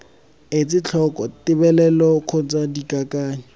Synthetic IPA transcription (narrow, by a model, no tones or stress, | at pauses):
et͡sɪt͡ɬʰɔkʼɔtɪbɛlɛlɔkʰʊt͡sʼadikʼakaːɲɔ